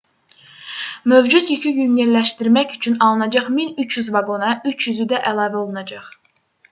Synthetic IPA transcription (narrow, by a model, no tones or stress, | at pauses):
møvd͡ʒut̪jycʰyjymjellæʃt̪iɾmæçyt͡ʃʰynɑlˠɯnɑd͡ʒɑχminyt͡ʃʰjyzvɑɡo̞nɑʔyt͡ʃʰjyzyd̪æʔælˠɑːvæolˠunɑd͡ʒɑχ